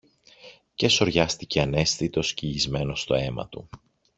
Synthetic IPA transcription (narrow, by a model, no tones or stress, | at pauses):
ce̞so̞ɾʝɐst̪ice̞ɐne̞sθit̪o̞sciizme̞no̞st̪o̞e̞mɐ̰t̪u